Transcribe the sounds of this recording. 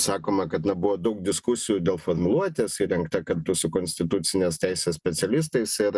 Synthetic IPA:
sɑːkoːmɐkɐt̪nɐbʊʋoːd̪ɐʊk̚d̪ʲɪskʊsʲɪjʊd̪ʲeːlˠfoɾmʊlˠuɔt̪ʲeːsiɾʲɛŋkt̪ɐkɐɾt̪ʊsʊkonʲsʲt̪ʲɪt̪ʊt̪sʲɪnʲeːst̪ʲɛɪsʲeːsʲpʲɛtsʲɛlʲɪs̬t̪ɐɪsɪɾ

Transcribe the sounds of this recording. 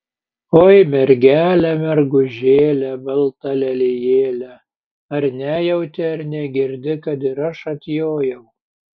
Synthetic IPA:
oːjmʲɛɾʲɡʲæːlʲɛmʲɛɾɡʊʒʲeːlʲɛbʲɐlˠt̪ɐlʲɛlʲejeːlʲɛ | ɐɾnʲæjɛʊt̪ʲɛɐɾnʲɛɡʲɪɾʲd̪ʲɪkɐt̪ɪɾɐʃɐt̪ʲjoːjɛʊ

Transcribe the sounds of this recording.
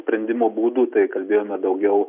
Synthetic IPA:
sʲpʲɾʲɛnʲd̪ʲɪmoːbuːd̪uːt̪ɐɪkɐlʲbʲeːjoːmʲɛd̪ɐʊɡʲɛʊ

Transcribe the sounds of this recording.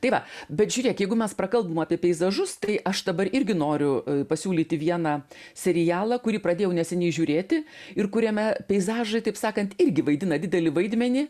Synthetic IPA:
t̪ɐɪʋɐbʲɛt̪ʒʲʊːɾʲiɛkʲjɛɪɡʊmʲɛsprɐkɐlˠbɐmɑːpʲiɛpʲɛɪzɐʒʊst̪ɐɪʔɐʃd̪ɐbɐɾɪɾʲɡʲɪnoːɾʲʊpɐsʲuːlʲiːt̪ʲɪʋʲiɛnɑ | sʲɛɾʲɪjæːlˠɐkʊɾʲiːprɐd̪ʲeːjɛʊnʲɛsʲɛnʲɛɪʒʲuːɾʲeːt̪ʲɪɪrkʊɾʲɛmʲɛpʲɛɪzɑːʒɐɪt̪ɐɪpsɑːkɐnt̪ɪɾʲɡʲɪʋɐɪd̪ʲɪnɐd̪ʲɪd̪ʲɛlʲɪʋɐɪd̪ʲmʲɛnʲɪ

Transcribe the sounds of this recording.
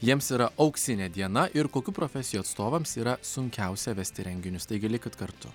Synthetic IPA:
jiɛmsiːɾɐʔɐʊksʲɪnʲeːd̪ʲiɛnɐʔɪɾkoːkʲuːpɾoːfʲɛsʲɪjuɐt̪st̪oːʋɐmsiːɾɐsʊŋʲkʲæˑʊsʲɛʋʲɛsʲt̪ʲɪɾʲɛŋʲɡʲɪnʲʊst̪ɐɪɡʲɪlʲɪkʲɪt̪kɐɾt̪ʊ̰

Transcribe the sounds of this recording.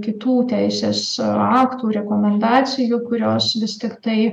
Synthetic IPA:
kʲɪt̪uːt̪ʲæɪsʲeːsɑːkt̪uːɾʲɛkoːmʲɛnd̪ɑːsʲɪjuːkʊɾʲoːsʋʲɪst̪ʲɪkt̪ɐɪ

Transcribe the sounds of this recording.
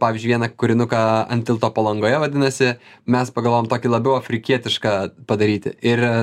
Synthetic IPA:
pɑːʋʲiːzʲd͡ʒʲʉɪʋʲiɛnɐkʊɾʲɪnʊkɑɐ̰nʲt̪ʲɪlˠt̪oːpɐlˠɐŋɡoːjɛʋɐd̪ʲɪnɐsʲɪ | mʲɛspɐɡɐlˠʋoːjɛmt̪oːkʲilˠɐbʲɛʊɐfʲɾʲɪkʲiɛt̪ʲɪʃkɐːpɐd̪ɐɾʲiːt̪ʲɪ̰ɪr

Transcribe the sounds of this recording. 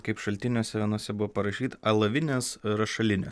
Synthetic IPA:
kɐɪpʃɐlʲt̪ʲɪnʲoːsʲɛʋʲiɛnoɔsʲɛbʊʋopɐɾɐʃʲiːt̪ɐɐlˠɐʋʲɪnʲeːsɾɐʃɐlʲɪnʲḛː

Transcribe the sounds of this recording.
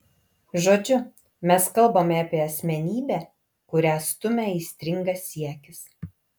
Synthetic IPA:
ʒoːd͡ʒʲʊ | mʲɛskɐlˠbɐmʲɛɐpʲiɛɐsʲmʲɛnʲiːbʲæː | kʊɾʲæːst̪ʊmʲɛiːsʲt̪ʲɾʲɪŋɡɐsʲiɛkʲɪs

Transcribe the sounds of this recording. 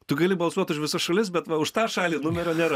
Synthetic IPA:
t̪ʊɡɐlʲɪbɐlˠsuɔt̪ʊʃʲʋʲɪsɐʃɐlʲɪs̬bʲɛt̪ʋɐʊʃt̪ɑːʃɑːlʲiːnʊmʲɛɾʲoːnʲeːɾɐ

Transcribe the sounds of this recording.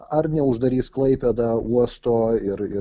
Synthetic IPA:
ɐɾnʲɛʊʒd̪ɐɾʲiːsklˠɐɪpʲɛd̪ɐuɔst̪oːɪɾɪ

